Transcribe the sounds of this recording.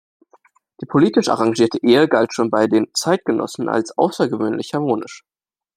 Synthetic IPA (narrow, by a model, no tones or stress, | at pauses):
d̥iːpʰoliːtɪʃʔa̰ʁaŋʒiːɐtʰəʔeːəɡaltʃoːnbaɪdeːnt͡saɪt̚ɡ̥ənʔɔ̰sn̩ʔa̰lsʔa̰ʊsɐɡəvøːnlɪçhaɐmoːnɪ̰ʃ